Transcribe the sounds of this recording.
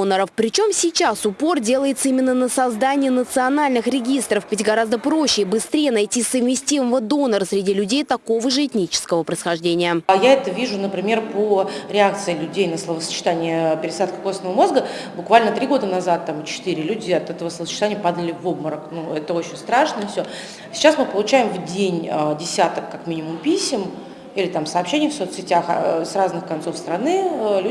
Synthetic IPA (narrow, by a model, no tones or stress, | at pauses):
nəɾəfpɾʲɪt͡ɕo̞msʲɪt͡ɕasʊpo̞rdʲe̞lˠəjɪt̪səimʲɪnːənəsɐzd̪anʲɪjənət̪sɨɐnalʲnɨxɾʲɪɡʲist̪ɾəfvʲɪtʲɡɐɾazd̪əpɾo̞ɕːɪbɨst̪ɾʲejənɐjtʲisəvmʲɪsʲtʲiməvəd̪o̞nəɾəsɾʲɪdʲilʲʉdʲejt̪ɐko̞vəʐɨɪtʲnʲit͡ɕɪ̥skəvəpɾəjsxɐʐdʲenʲɪjəjaɛt̪əvʲiʐʊnəpɾʲɪmʲe̞rpoɾʲɪakt̪sɨɪlʲʉdʲejnəslˠəvəsə̥t͡ɕɪ̥t̪anʲɪjəpʲɪɾʲɪsat̪kə̥ko̞snəvəmo̞zɡəbʊkvalʲnət̪ɾʲiɡo̞d̪ənazat̪ːamɨt͡ɕɪ̥t̪ɨɾʲɪlʲudʲɪɐt̪ɛt̪əvəsləəsət͡ɕːɪ̥t̪anʲɪjəpad̪əlʲɪvobməɾəknuɛt̪əo̞t͡ɕɪnʲst̪ɾaʂnəifsʲo | sʲɪ̥t͡ɕːasmɨpəlˠʊt͡ɕæjɪmvdʲenʲdʲɪsʲat̪əkːakmʲinʲɪmʊmpʲisʲɪm | ilʲɪt̪amsəɐːpɕenʲɪjəfso̞t̪sʲɪtʲaxsraznɨxkɐnt̪so̞fst̪ɾɐnɨlʲu